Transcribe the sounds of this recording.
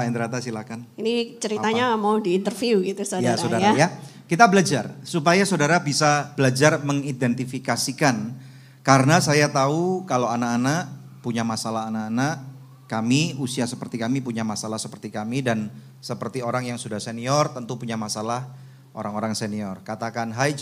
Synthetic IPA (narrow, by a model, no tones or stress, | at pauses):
aint̪əɾat̪asilakaninit͡ʃəɾit̪aɲamawdiːnt̪ərfiuɡit̪usojasɾaodajɾaja | kit̪abəlad͡ʒarsupajasodaɾabisab̥əlad͡ʒarməŋidɛnt̪ifikasikan | kaɾənasajat̪aukalowanakanaʔ | puɲamasalaɦanakanaʔ | kamiusiasəpərt̪ikamipuɲamasalahsəpərt̪ikamidan | səpərt̪ioɾaŋjaŋsudahseniɔrt̪ənt̪upuɲamasalah | ʔo̰ɾaŋoɾaŋseniɔrkat̪akanɦaj